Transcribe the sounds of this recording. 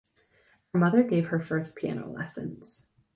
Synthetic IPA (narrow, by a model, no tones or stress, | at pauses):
hə˞mʌðə˞ɡeɪv̥ə˞fɜ˞spʰiæ̰no̰ʊlɛ̰sɨ̃nz̥